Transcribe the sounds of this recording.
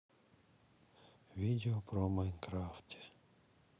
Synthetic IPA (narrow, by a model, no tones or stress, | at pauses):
ʋʲid̪ʲeɔpɾɔmajnkɾaft̪ʲɛ̥